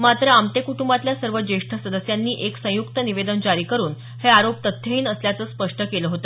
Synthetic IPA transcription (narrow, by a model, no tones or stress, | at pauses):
mat̪ɾəamt̪ekuʈumbat̪ljasəɾʋəd͡ʑeʂʈʰəsəd̪əsjanːiːʔeksə̃jukt̪əniʋed̪ənd͡ʑaɾiːkəɾuːn | heaɾopt̪ət̪ʰːjəɦiːnəsljat͡səːspəʂʈəkeləɦot̪ḁ